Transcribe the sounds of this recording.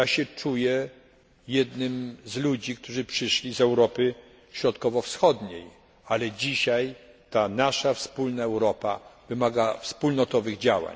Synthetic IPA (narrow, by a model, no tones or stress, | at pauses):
jaɕɛt͡ʂujɛ | jɛd̪nɘmzlud͡ʑikt̪uʐɘpʂɘʂlʲizɛwɾɔpɘ | ɕɾɔt̪kɔvɔfsxɔd̪ɲej | alɛd͡ʑiɕaj | t̪anaʂafspulnaɛwɾɔpa̰vɘmaɡafspulnɔt̪ɔvɘɣd͡ʑawa̰ɲ